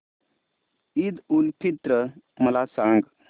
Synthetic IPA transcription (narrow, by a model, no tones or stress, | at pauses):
id̪ulpʰit̪ɾə | məlasãŋɡ